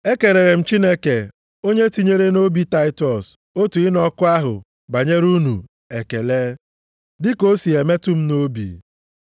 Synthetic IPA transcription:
e˦ke˨ɾe˨ɾe˨m̩˦t͡ʃi˦ne˦ke˨ | o˦ɲe˦ti˦ɲe˦ɾe˦no˦bi˦ta˦ɪ˦tɔ˨s | o˦tu˨ɪ˦nɔ˦kʊ˦a˦ɦʊ̰˨ | ɡ͡ba˨ɲe˦ɾu˦nu˨ | e˨ke˨le˦ | dɪ˦ko˦si˨e˨me˦tʊ˦m̩˦no˦bḭ˨

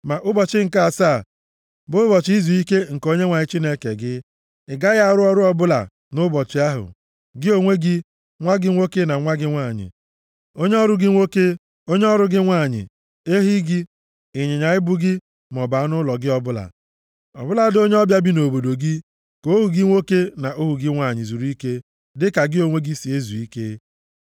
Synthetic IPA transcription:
ma˨ʔʊ˦bɔ˨t͡ʃɪ˦ŋ̩˨ka˦a˨sa˦˨ | bʊ˦bɔ˨t͡ʃi˦zu˨i˦ke˦ŋ̩˨ko˦ɲe˦ŋʷa˨ɲɪ˦t͡ʃi˦ne˦kḛ˨ɡɪ˦ | ɪ˨ɡa˦ɣa˦˨ɾʊ˦ɔ˦ɾʊ˦ɔ˦bʊ˦la̰˨ | nʊ˦bɔ˨t͡ʃɪ˨a˦ɦʊ̰˨ | ɡɪ˦o˦ŋʷe˦ɡɪ˦ | ŋʷa˦ɡɪ˦ŋʷo˦ke˦na˨ŋʷa˦ɡɪ˦ŋʷa˦˨ɲɪ̰˨ | o˦ɲe˦ɔ˦ɾʊ˦ɡɪ˦ŋʷo˦ke˦ | o˦ɲ˦ɔ˦ɾʊ˦ɡɪ˦ŋʷa˦˨ɲɪ̰˨ | e˦ɦi˦ɡɪ˦ | ɪ˨ɲe˨ɲa˨ɪ˦bʊ˦ɡɪ˦ | m˨ɔ˨ba˨a˦nʊ˦lɔ˨ɡɪ˦ɔ˦bʊ˦la̰˨ | ɔ̰˨bʊ˦la˨˦do˦ɲe˦ɔ˦bja˦bi˦no˨bo˨do˨ɡɪ˦ | ko˨˦o˦ɦu˨ɡɪ˦ŋʷo˦ke˦na˨ʔo˦ɦu˨ɡɪ˦ŋʷa˦˨ɲɪ˨zu˨ɾu˦i˦ke˦ | dɪ˦ka˨ɡɪ˦o˨ŋʷe˦ɡi˦si˨e˦zu˨i˦ke˦

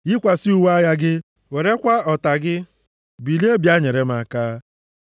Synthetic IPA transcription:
i˦kʷa˨si˦u˨wa˦ja˦ɡɪ˦ | we˨ɾe˦kʷa˦ɔ˨ta˨ɡɪ˦ | bi˨li˦e˦bja˦ɲe˨ɾe˦m̩˦a˨kaː˦

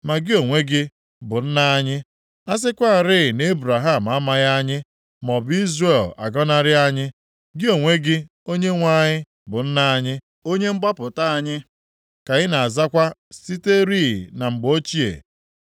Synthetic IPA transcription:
ma˨ɡɪ˦o˨ŋʷe˦ɡɪ˦ | bʊ˨n̩˦na˦ɲɪ˦ | a˦s̬ɪ˦kʷa˦a˨ɾɪ˦ɪ˨ne˦bɾa˨ɦa˦˨m̩˨a˦ma˦ɣa˦ɲɪ˦ | mɔ˨bi˦zre˦˨la̰˨ɡɔ˦na˦ɾɪ˦a˦ɲɪ˦ | ɡɪ˦o˨ŋʷe˦ɡɪ˦ | o˦ɲe˦ŋʷa˦ɲɪ˦ | bʊ˨n̩˦na˦ɲɪ˦ | o˦ɲe˦ŋ͡m̩˦ɡ͡ba˦pʊ˨ta˦a˨ɲɪ˦ | ka˨ɣɪ˦na˨a˨za˦kʷa˦si˦te˦ɾi˦˨na˨ŋ͡m̩˨ɡ͡bo˦t͡ʃi˦ḛ˨

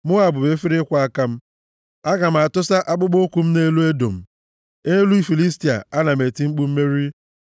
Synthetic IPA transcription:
mʊ˦a˨bʊ˨be˦fi˦ɾɪ˦kʷa˨˦a˦ka˦m̩˦ | a˦ɡa˨m̩˨a˨tʊ˦sa˦ʔa˦k͡pʊ˦ɡ͡bo˦kʷu˨m̩˦ne˦lu˦e˦do̰˨m̩˨ | e˦lu˦i˦fi˨li˦sti˨a̰˨a˦na˨me˨ti˦ŋ͡m̩˦k͡pu˦m̩˦me˦ɾi˦

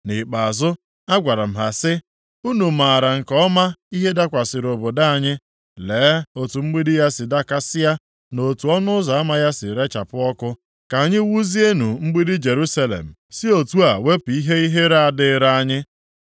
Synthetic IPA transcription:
nɪ˨k͡pa˨a˨zʊ˦ | a˦ɡʷa˨ɾa˨m̩˨ɦa˨sɪ˦ | u˦nu˨ma˨ɾa˨ŋ̩˨kɔ˦ma˦i˦ɦe˦da˦kʷa˨sɪ˨ɾo˨bo˨da˦a˨ɲɪ˦ | leː˨˦o˨tu˨ŋ͡m̩˦ɡ͡bi˦dɪ˦ja˦sɪ˨da˦ka˦sɪ˦ja˦ | no˨tu˨ɔ˦nʊ˦ʊ˦za˨a˦ma˦˨ja˦sɪ˨ɾe˦t͡ʃa˨pʊ˦ɔ˦kʊ˦ | ka˨ɲɪ˦wu˦zi˦e˦nu˨ŋ͡m̩˦ɡ͡bi˦dɪ˦d͡ʒe˨ɾu˦sa˦lḛ˨m̩˨sɪ˦o˨tu˦a˨we˦pi˦ɦe˦i˦ɦe˦ɾa˦a˦˨dɪ˦ɾa˦a˦ɲɪ˦

